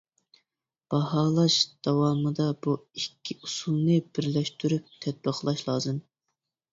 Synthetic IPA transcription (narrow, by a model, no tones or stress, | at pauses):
b̥ɑhɑlˠɑʃd̪̥ɑwɑːmɨd̪ɑbuikʲʰːiusulˠnɨbɪɾlɛʃt̪yɾyp̚t̪ʰɛt̪̚bəχlˠɑʃlˠɑːzɨm